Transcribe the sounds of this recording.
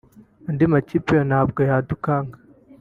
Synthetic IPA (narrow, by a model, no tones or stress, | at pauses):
andimacipijonaːbɡajaːdukaːŋɡa